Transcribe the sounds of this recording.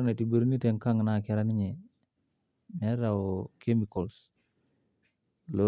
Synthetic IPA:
ne˨ti˨bə˨ɾi˦ni˦te˨ŋka˦ŋna˨kɛɾa˦ni˦ɲe˨ | nɛ˦ɾa˨oke˦mi˨kɔ˨ls | lo˦

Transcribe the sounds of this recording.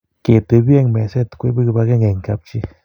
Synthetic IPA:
ke˨t̪e˨˧bje˦˨ŋme˨se˦t̪kʷe˦bi˦ɡba˧ɡe˦ŋe˨ŋka˨b̚t͡ʃi˦

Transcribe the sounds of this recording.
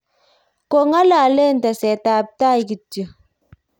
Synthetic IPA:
ko˦˨ŋa˦la˨lɛ˦˨n˨ta˨sɛ˨ta˨p̚ta˦˨jɡi˨tjə˨

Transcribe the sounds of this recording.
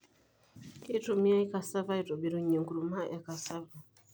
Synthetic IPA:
ke˦to˨mi˦a˦i˦ka˨sa˦va˦i˨to˨bi˨ɾu˨ɲo˨ŋɡu˨ɾu˨ma˦ʔa˨ka˨sa˦va˨

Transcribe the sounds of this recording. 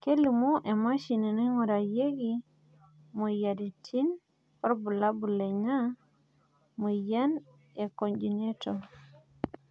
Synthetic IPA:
ke˦li˨mu˦ʔe˨ma˦ʃi˨ne˨ni˦ŋo˨ɾa˨je˦ɡi˦ | mo˨ja˨di˨tʰi˦n | ɔ˦ɾbu˨la˦bu˨le˨ɲa˦ | mu˨ja˦n | e˨ko˨nd͡ʒi˨ne˦to˨

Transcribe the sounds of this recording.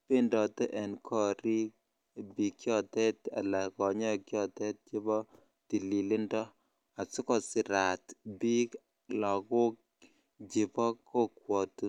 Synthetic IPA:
pe˦ndɔ˨tɛ˦ʔɛ˨nkʰɔ˦˨ɾi˦k | bi˨kjɔ˦tɛ˦t̪a̰˨la˨kɔ˨ɲɔ˦˨kjɔ˦t̪ɛ˦t̚t͡ʃi˦bɔ˦ | ti˨li˨li˦ndɔ˦ | a˨su˦kɔ˨sɪ˨ɾa˨t̪bi˦k | lɔ˨kʊ˦k̚ | d͡ʒɪ˨bɔ˦kʰo˦kwɔ˨tu˨

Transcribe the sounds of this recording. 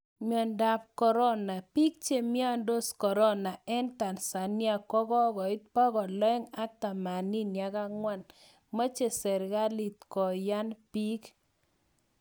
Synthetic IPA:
mjɔ˨nda˨p̚kɔ˨ɾɔ˦na˨pi˦k̚t͡ʃe˦mi˦a˦ndo˦skɔ˨ɾɔ˦na˨ɛ˦nta˨nsa˨nja˨kɔ˦kɔ˦kɔ˨ɪ˦t̚pɔ˦kɔ˨lɔ˦ɛ˦ŋa˦ta˨ma˨ni˦nja˨ka˦ŋwa˦n | ma˦t͡ʃe˨sɛ˨ɾka˦li˨t̪kɔ˨ja˦npi˦k

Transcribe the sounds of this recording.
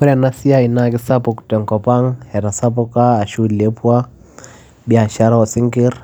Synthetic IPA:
ɔ˦ɾa˨na˦si˦a˦i˨naki˦sa˦puktɛ˨ŋkɔ˨pa˦ŋhɛ˨ɾa˨sa˦pɔ˦kaː˦˨ʃu˦lɛ˦pwa˦ | bi˨a˨ʃa˦ɾa˦wɔ˨si˦ŋki˦ɾ

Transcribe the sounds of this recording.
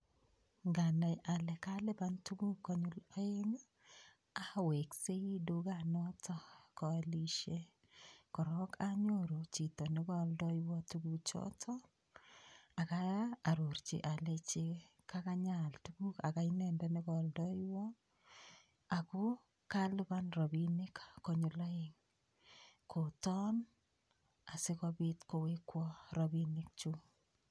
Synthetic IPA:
ŋɡa˨na˨jʔa˨lɛ˨ka˦lɛ˦ba˦ntu˦ɡu˦kɔ˦ɲu˦lɔ˦e˦ŋ | a˨we˨kse˦i˦du˦ɡa˦˨nɔ˦tɔ˦kɔ˨li˦ʃe˦ | kɔ˨ɾɔ˦kʰa˦ɲo˦ɾo˨t͡ʃi˨tɔ˨nɪ˦ɡɔ˦ldɔ˦jwɔ˦tu˦ɡu˦t͡ʃɔ̰˦tʰɔ˦ | a˨ka˦a˨ɾo˨rt͡ʃḭ˨ʔa˨le˨t͡ʃe | kʰakaɲaltuku˦ka˨ka˦inɛ˨ndɛnɪ˦kɔldɔ˦jwɔ˦ | a˨ku˦ | kalɪba˦nrɔ˨binɪ˦kːoɲu˨lɔ˦ɪŋ | kʰo˨tɔ˦n | a˨sɪ˦kɔbitko˨we˦kwɔ˦ɾɔbinɪk̚t͡ʃu˦

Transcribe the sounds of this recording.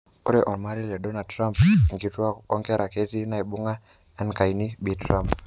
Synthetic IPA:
o˦ɾe˦ʔɔ˨nma˦ɾi˦lɛ˨do˦na˨dtɾa˦mpŋɡi˨twa˦ɔ˦ŋkɛ˦ɾʔa˨ke˦ti˦na˨i˨bu˦ŋa˦ | ɛ˦nka˨i˨ni˦bi˨tɾa˦mp

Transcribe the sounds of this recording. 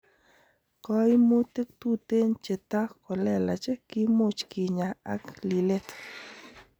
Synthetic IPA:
kɔ˦imu˦t̪e˦k̚t̪u˦t̪e˦nt͡ʃe˨t̪a˦xko˨le˦˨la̰˨t͡ʃe˦ki˦mu˦t͡ʃki˨ɲa˨a̰˦kli˨le˦t̪

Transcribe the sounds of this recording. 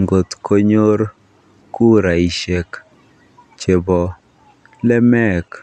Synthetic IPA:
ŋɡo˨t̪ko˦ɲo˦ɾ | ku˦ɾa˨i˨ʃe˨k | t͡ʃe˨bɔ˨ | lɛ˦mɛ˦k

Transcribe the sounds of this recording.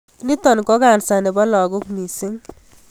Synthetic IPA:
ni˦tɔ˨nkɔ˦ka˨nsa˨ne˨bɔ˦lɔ˨ɡʊ˦kmi˨si˦ŋ

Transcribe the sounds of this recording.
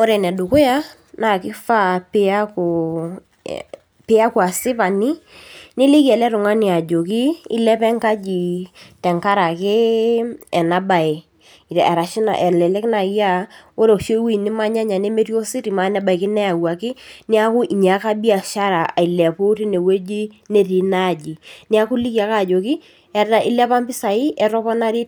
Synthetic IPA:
o˦ɾɛ˨nɛ˨dʊ˨kʊ˦ja˦ | na˨kɪ˦fa˦pɪ˦a˦ko˨ | pɪ˦a˦ku˨a˨sɪ˦pa˨nɪ˦nɪ˦lɪ˦kɛ˨lɛ˦tʊ˨ŋa˦ni˨a˨d͡ʒo˨kɪ˦ɪ̰˦lɛ˦pɛ˦ŋka˦d͡ʒi˨tɛ˨ŋka˦ɾa˨kɪ˦ | ɛ˨na˨˦ba˨ɪ˨ | ɛ˨ɾa˨ʃɪ˦na̰˨ʔɛ˨lɛ˨lɛ˦kna˨˦ja˦o˦ɾo˨kʃe˦wi˦˨nɪ˦ma˦ɲa˦ɲa˨ne˦me˦ti˦o˦si˦ɾi˨ma˨˦nɛ˦ba˨ɪ˨kɪ˦nɛ˦a˨wa˨kɪ˦ni˦a˦kʊ˦ʔi˨ɲ˨a˨˦ka˦bi˦a˨ʃa˦ɾa˨a˨i˨lɛ˨pʊ˦ti˦ne˨we˦d͡ʒi˦ne˦ti˨na˦˨d͡ʒi˨ni˦a˦ku˦li˦ki˦a˨ka˦˨d͡ʒo˨kɪ˦ | ɛ˦ta˦ʔi˦lɛ˦pa˦mpɪ˦sa˨ɪ˦ʔɛ˨ɾɔ˦pɔ˦na˦ɾi˦t̚

